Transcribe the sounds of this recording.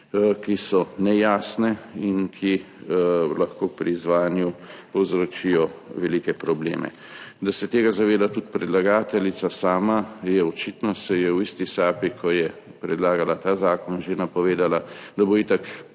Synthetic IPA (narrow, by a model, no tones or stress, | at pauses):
kisɔnɛjaːsnɛinkʰi | laxkoːpɾiːzʋaːjanjupɔwzɾot͡ʃijɔʋɛlikɛpɾɔblḛːmɛ̰ | d̪asɛt̪eːɡazaʋeːd̪at̪ut̪pɾɛd̪laɡaːt̪ɛlit̪sasaːmajɛɔt͡ʃit̪nɔsɛjɛwist̪isaːpikʰɔjɛ | pɾɛd̪laːɡalat̪aːzaːkɔnʒenapɔʋeːd̪alad̪aboit̪ak